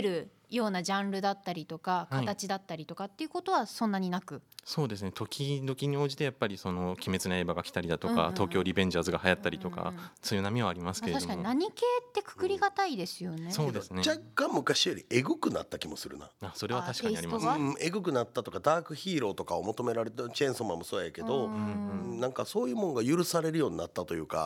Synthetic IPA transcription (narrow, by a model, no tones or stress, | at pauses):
ɾɯ̟ | jo̞ːnaʑãñɾɯ̟d̪at̪ːaɾʲit̪o̞kakkait̪at͡ɕid̪at̪ːaɾʲit̪o̞kat̪ːe̞iɯ̟ko̞t̪o̞βasõ̞nːaɲ̟inakɯ̟so̞ːd̪e̞sɨne̞t̪ʰo̞kʲid̪o̞kʲiɲ̟io̞ːʑit̪e̞japːaɾʲiso̞no̞kʲime̞t͡sɨnae̞ːbaɡakʲi̥t̪aɾʲid̪at̪o̞ka̰t̪o̞ːkʲo̞ːɾʲibẽ̞ɲ̟d͡ʑaːzɨɡahajat̪ːaɾʲit̪o̞ka̰t͡sɨjɯnamʲiβaːɾʲimasɨ̥ke̞ɾaikaɲinaɲ̟ike̞ːt̪ːekɯ̟̥kɯɾʲiɡat̪aid̪e̞sɨjoneso̞ːd̪esɨned͡ʑakːãmmɯ̟kaɕijo̞ɾʲie̞ɡɯ̟kɯ̟na̰t̪ːakʲimo̞sɨɾɯ̟̰na̰aso̞ɾe̞βat̪aɕi̥k̪aɲiaɾimɯ̃e̞ɡɯ̟k̬ɯ̟nat̪ːat̪o̞kad̪aːkɯ̟çiːɾo̞ːt̪o̞kaomo̞t̪o̞me̞ɾaɾe̞t̪ent͡ɕẽ̞ɰ̃somamosoːjajake̞d̪o̞ɯɯ̃nãŋkaso̞ːjɯ̟ːmoŋoɡajɯ̟ɾɯ̟saɾe̞ɾɯjo̞ːɲ̟inat̪ːat̪o̞jɯ̟ːka̰